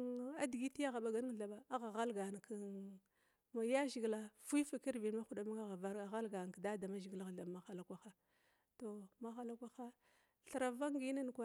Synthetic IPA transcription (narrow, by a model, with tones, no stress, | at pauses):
a˦di˨ɡi˦ti˦ja˦ɣa˨ɓa˨ɡa˦n˦˨ɮa˨ɓa˨a˦ɣa˨ɣa˦lɡa˨n˨k | ma˨ja˦ʒi˨ɡla˦fu˦fki˦ɾvi˨n˦ma˦xu˦ɗa˨ma˦ŋa˦ɣa˨va˦ɾa˨ɣa˦lɡa˨n˨kda˦da˨ma˦ʒi˨ɡla˦ɣɮa˨ma˨xa˨la˨kʷa˦xa˦ | to˨ma˦xa˦la˦kʷa˦xa˦ | ɬɾa˨va˦ŋɡi˦na˦n˨kʷa˦